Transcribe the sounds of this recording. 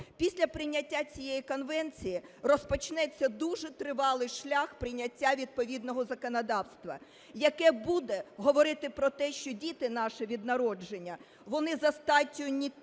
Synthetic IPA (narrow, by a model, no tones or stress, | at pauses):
pʲisʲlʲɐpɾɪnʲɐtʲːat͡sʲijejikɔnʋɛnt͡sʲijirɔspɔt͡ʃnɛt͡sʲːɐd̪uʒɛt̪ɾɪʋɑlˠɪjʃlʲaxpɾɪnʲɐtʲːaʋʲid̪̚pɔʋʲid̪nɔɦɔzɐkɔnɐd̪ɑwst̪ʋɐ̰ | jɐkɛbud̪ɛɦɔʋɔɾɪt̪ɪpɾɔt̪ɛʃt͡ʃɔdʲit̪ɪnɑʃɪʋʲid̪̚nɐɾɔd͡ʒenʲːɐ | ʋɔnɪzɐst̪ɑtʲːʊnʲi